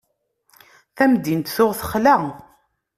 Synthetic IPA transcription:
θæmd̪int̪θʊʁθəχlæ

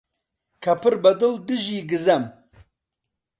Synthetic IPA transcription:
kʰɐpɨɾbɐd̪ɨld̪ɨʒiːɡɨzɐm

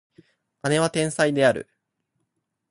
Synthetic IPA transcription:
ane̞βat̪ẽ̞ɰ̃said̪e̞aɾɯ̟̰

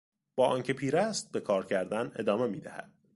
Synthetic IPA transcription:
b̥ɒːʔɒːncʰe̞pʰiːɾæst̪̚be̞kʰɒːɾcʰæɾd̪æne̞d̪ɒːme̞miːd̪æhæ̰d̪̥̚

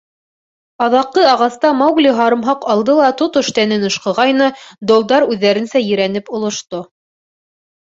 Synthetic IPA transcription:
ɑðɑqːɤɑʁɑst̪ɑmɑwɡlʲiɦɑɾɤ̆mɦɑqɑlˠd̪ɤlˠɑt̪ot̪ɵ̆ʃt̪ænɘnɤ̆ʃqɤ̆ʁɑjnɤd̪ŏlˠd̪ɑɾʉðːæɾɘ̆nsæjɘ̆ɾænɘpŏlˠŏʃt̪o

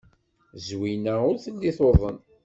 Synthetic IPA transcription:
zwinæʊɾθəlːiθoðˤən

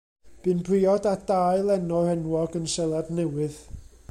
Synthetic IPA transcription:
b̥ɨnbrɪːɔdad̥aːjlˠɛnɔrɛnwɔɡənsɛlˠadnɛwɨð

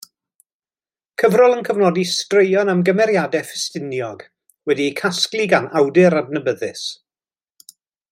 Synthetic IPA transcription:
kʰəvrɔlˠənkʰəvnɔdistrejɔnamɡəmɛɾjadɛfɪ̥stɪnjɔɡ | wɛdikʰasklˠiɡanawdɪɾadnəbəðɪs

